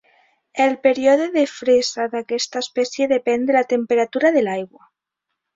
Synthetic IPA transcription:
elpeɾjoðoðefɾesaðakest̪aespeθjeðepend̪elat̪empe̞ɾat̪uɾaðelajɣwa

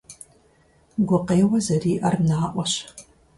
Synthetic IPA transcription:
ɡʷʊqeːwɐzɐriːʔɐrnaːʔʷɔɕ

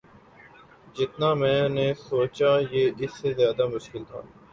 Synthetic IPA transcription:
d͡ʒɪt̪namɛ̃ːnesoːt͡ʃajeːɪsːezjaːd̪amʊʃkɪlt̪ʰa̰ː

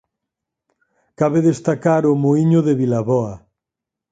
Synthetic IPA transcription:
kaβeðest̪akaɾʊmoiɲʊðeβilaβɔɐ

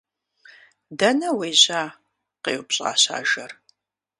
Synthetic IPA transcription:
dɐnɐwejʑaː | qeːwpɕʼa̰ːɕa̰ːʒɐr

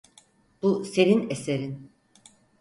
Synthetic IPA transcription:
b̥use̞ɾineseɾin

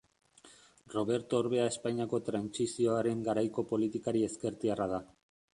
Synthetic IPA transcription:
ro̞β̞e̞ɾt̪oːɾβe̞ae̞spaɲiako̞t̪ɾansisio̞aɾe̞ŋɡaɾajko̞po̞lit̪ikaɾie̞skeɾt̪iarað̞a

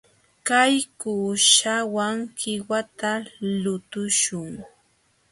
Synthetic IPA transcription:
kajkuːʃawaŋkɪwat̪alʊt̪ʊʃʊŋ

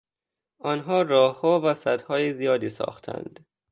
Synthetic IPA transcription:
ʔɒnɦɒːrɒːhːɒːvæsæd̪hɒːjezijɒːd̪iːsɒ̰ːxt̪ʰæ̰nd̪̥

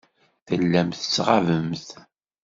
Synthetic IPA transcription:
θəlːæmθə̥t͡sːʁavəmθ

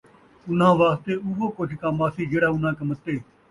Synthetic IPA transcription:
ʊn̤ãːʋaːst̪eːʊːʋoːkʊt͡ʃʰkãːmaːsiːd͡ʒeːɽaːʊn̤ãːkəmət̪ːeː

